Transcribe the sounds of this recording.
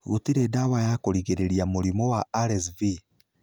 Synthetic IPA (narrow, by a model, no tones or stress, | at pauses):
ɣotiɾedawajakoɾiɣeɾeɾiamuɾimɔwaːɾɛsvi